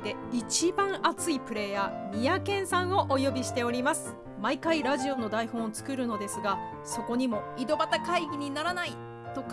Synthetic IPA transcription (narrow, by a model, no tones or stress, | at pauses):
d̪e̞it͡ɕibãɰ̃ʔat͡sɨipɯ̟ɾe̞jamʲijakẽ̞ɰ̃sãɰ̃o̞ʔojo̞bʲiɕi̥t̪e̞o̞ɾʲimasɨ̥ | maikaiɾaʑio̞no̞d̪aihõ̞ot͡sɨ̥kɯ̟ɾɯ̟no̞d̪e̞sɨɡa | so̞ko̞ɲ̟imo̞id̪o̞bat̪akaiɡʲiɲ̟inaɾanai | t̪o̞k